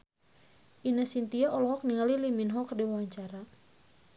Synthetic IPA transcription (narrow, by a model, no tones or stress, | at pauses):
ʔinəsint̪iaʔɔlɔɦɔk̚niŋaliliminɦɔkdiwawaɲt͡ʃaɾa